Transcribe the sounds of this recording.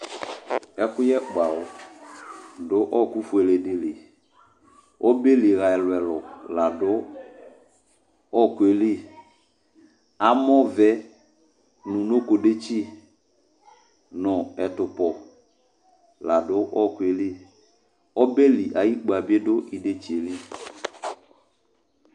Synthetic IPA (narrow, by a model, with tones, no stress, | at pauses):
ɛ˦kʊ˦jɛ˦ɡ͡ba˨ɔ˨˦ | dʊ˦ʔɔ˦˨ku˦fu˨ɛ˨le˨dɪ˨le˨ | ɔ˦be˦li˨ɣa˨ɛ˨lʊ˨ɛ˨lɔ˨la˨dʊ˦ | ɔ˦˨ke˨li˦ | a˦mɔ˦vɛ˦ | nũ˨no˦ko˨de˦t͡ʃi˦ | nɔ˨ɛ˨tʊ˨pɔ˨ | la˨dʊ˦ʔɔ˦˨kʊ˨e˨li˦ | ɔ˦be˦li˨ʔa˨ji˦k͡pa˨bi˦e˦dʊ˦ʔi˨de˦t͡ʃi˨e˨li˦